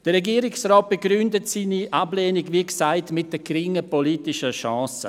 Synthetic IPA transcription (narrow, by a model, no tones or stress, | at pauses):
d̥əɾɛɡiːəɾɪksrɔːt̚b̥əɡɾʏndətsiːniʔablɛːniɡviːksaɪtmɪt̚d̥əkɾɪŋəpoliːtɪʃəʃɑːsə̰